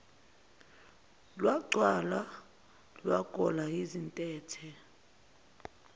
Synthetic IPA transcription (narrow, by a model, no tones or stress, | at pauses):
lwaɡ͡ǀʱwala | lwaɡ̥ʱɔlaizintʼɛːtʰɛ